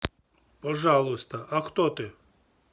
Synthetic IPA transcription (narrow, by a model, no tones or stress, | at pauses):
pɔʒɑlˠʊsʲt̪ɐʔɐxt̪ɔt̪ɪ